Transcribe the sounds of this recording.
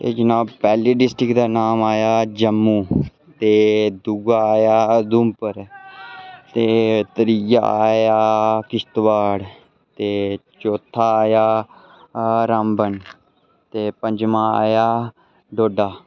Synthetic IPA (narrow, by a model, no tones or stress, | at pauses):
t̪ḛːd͡ʒɪnãːpɛːliːɖɪsʈɾɪkd̪aːnaːmaːjaːd͡ʒəmːuː | t̪eːd̪ʊɡaːjaːd̪ʊmpəɾ | t̪eːt̪əɾija̰ːjaːkɪst̪ʋaːɽ | t̪eːt͡ʃoːt̪ʰːaːjaː | ɾaːmbən | t̪eːpəɲd͡ʒmãːa̰ːjaː | ɖoːɖaː